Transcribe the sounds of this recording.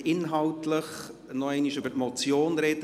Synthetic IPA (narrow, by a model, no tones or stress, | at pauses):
ɪnɦɑltləχ | nɔɛɪniʃʏbətmɔt͡sjoːnɾɛd̥ə